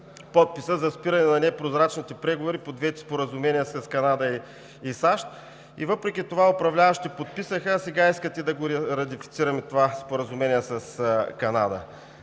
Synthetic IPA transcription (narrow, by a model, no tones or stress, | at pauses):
pɔt̪̚pisəzɐspiɾɐnɛnɐnɛpɾozɾat͡ʃnit̪ɛpɾɛɡovoɾipod̪vɛt̪ʲi̥spoɾəzʊmɛniəsɐskɐnad̪əi | isaʃt̪ | ḭvɤpɾɛk̟ʲit̪ovaopɾɐvlʲavɐʃt̪ipot̪̚pisəxəsɛɡaiskət̪ɛd̪ɐɡoɾɐt̪̬ifi̥t̪siɾɐmɛt̪ovaspoɾəzʊmɛniəsɐskɐna̰d̪ə̰